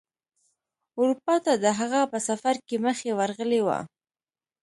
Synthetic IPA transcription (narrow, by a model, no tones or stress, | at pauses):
ʊɾupɑt̪ad̪əɦaɣapəsafaɾkeməxewaɾɣəlewa̰